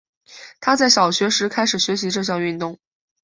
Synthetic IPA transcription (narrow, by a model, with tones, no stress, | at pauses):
t̪ʰa˥t͡sa˥˩ɪɕjɑ˨˩ʊɕɥɛ˧˥ʂɻ̩˧˥kʰa˥ɪʂɻ̩˨˩ɕɥɛ˧˥ɕ̬i˧˥ʈ͡ʂɤ˥˧ɕ̬jɑ˥˧ŋy˥˧nt̪ʊ˥˩ŋ